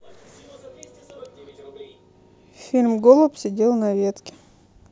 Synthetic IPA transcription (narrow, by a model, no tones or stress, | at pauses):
fʲilʲmɡolˠəpsʲɪdʲelˠnɐvʲet̪kʲɪ̥